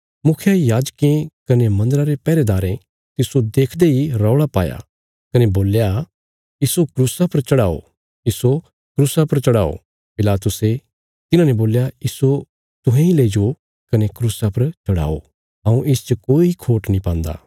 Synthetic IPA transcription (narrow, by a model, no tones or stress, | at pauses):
mʊkʰjajaːd͡ʒkẽkɐnemɐ̃nd̪əɾaɾepɛːɾed̪aːɾẽ | t̪ɪsod̪eːkʰd̪eɦiɾɔʊɽapa̰ːja̰ | kɐneboːlja | iːsokɾuːsapɐɾt͡ʃɐɽaːo̰ | ɪso | kɾuːsapɐɾt͡ʃɐɽaːo̰ | pɪlaːt̪ʊse | t̪ɪnãːneboːljaɪso | t̪ʊɦẽileːd͡ʒo | kɐnekɾuːsapɐɾt͡ʃɐɽa̰ːo̰ | ɦɐ̃ũʔɪst͡ʃokoːiikʰoːʈnĩpãːnd̪a̰ː